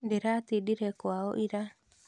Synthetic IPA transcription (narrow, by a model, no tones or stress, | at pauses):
ndeɾatidiɾɛkwaɔʔiɾa